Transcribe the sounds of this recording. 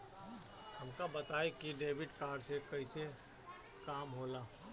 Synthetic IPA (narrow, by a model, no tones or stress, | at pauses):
hɐmkabɐt̪aːekiɖeːbɪʈkaːɾɖsekɐise | kaːmɦoːlaː